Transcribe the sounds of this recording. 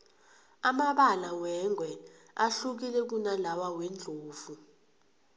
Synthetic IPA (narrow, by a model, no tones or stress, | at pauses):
amaɓalawɛŋʱwɛ | aɬuk̬ilɛk̬unalawawɛnd͡ɮʱoːvu